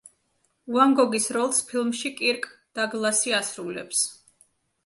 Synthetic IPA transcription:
uaŋɡɔɡisɾɔlˠspʰilˠmʃikʼiɾkʼd̪̥aɡlˠasiasɾulɛ̰ps

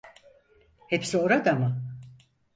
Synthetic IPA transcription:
hepsio̞ɾad̪ama

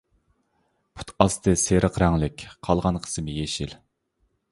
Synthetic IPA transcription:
pʰu̥t̪ʰɑst̪ʰɨseɾʔəqɾɛŋlɪkʲqʰɑlˠʁɑnqʰə̥sɨmɪjeʃil

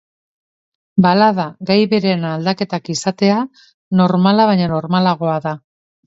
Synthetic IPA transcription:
balað̞aɣajβe̞ɾe̞nald̪ake̞t̪akisat̪e̞a | no̞ɾmalaβ̞aɲano̞ɾmalaɣ̞o̞aða

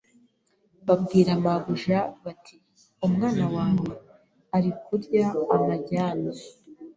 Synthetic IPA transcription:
βab̚ɡiːɾamaɡuʒaβatʰi | umŋaːnawaːnwe | aɾikuɾɟaːmaɟaːna

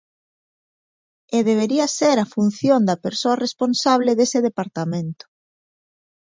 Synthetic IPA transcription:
eðeβ̞eɾiɐseɾafun̟θjond̪ɐpeɾsoɐresponsaβleðeseðepaɾt̪amẽnt̪ʊ̥

